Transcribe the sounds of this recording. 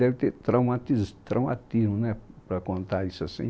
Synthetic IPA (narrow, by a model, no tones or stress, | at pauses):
ɛvit̪eɾt̪ɾawmat̪izt̪ɾawma̰t̪izmunɛpɾɐkõnt̪aisasḭ̃